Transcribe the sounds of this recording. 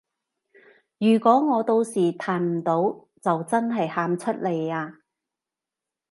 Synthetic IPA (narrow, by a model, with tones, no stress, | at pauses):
jyː˨˩kʷɔː˨˥ŋɔː˨˧t̪o˧wsiː˨˩t̪ʰaː˨˩nm̩˨˩t̪o˨˥w | t͡sɐ˨wt͡sɐ˥nɦɐ˨jhaː˨˥mt͡ʃʰɵ˥t̚le˨˩jaː˧